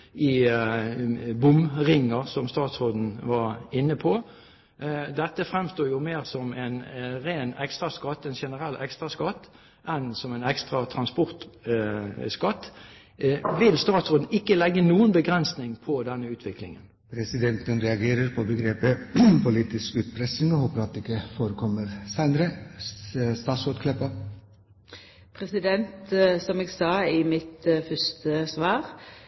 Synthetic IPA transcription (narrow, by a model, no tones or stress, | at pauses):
ɪ | bʊmʁɪŋːəʁsɔmst̪ɑːt̪sʁoːd̪n̩ʋɑʁɪnːəpʰɔ | d̪ɛt̪ːəfʁɛmst̪oːjʊmeːʁsɔmɛnʁeːnɛkst̪ʁɑskɑt̪ːɛnʃɛnəʁɛlːʔɛkst̪ʁɑskɑt̪ː | ʔɛnsɔmɛɪnɛkst̪ʁɑt̪ʰɾɑnspʊʁt̪ | skɑt̪ː | ʋɪlst̪ɑːt̪soːd̪n̩ɪkːəlɛɡːənuːənbəɡʁɛnsnɪŋpʰɔd̪ɛnːəʉːt̪ʋɪklɪ̰ŋə̰n | pʰɾɛsɪd̪ɛnt̪ənɾɛɑɡeːɾəɾpʰɔbəɡɾeːpəpʰʊliːt̪ɪskʉːt̪pʰɾɛsnɪŋɔhoːpəɾɑt̪ːɪkːəfoːɾəkʰɔmːəɾsæɪnəɾə | st̪ɑːt̪sɔt̪kʰlɛpə | pʰɾɛsɪd̪ɛnt̪sɔmɛːɡsɑːɪmɪt̪fœst̪əsʋɑːɾ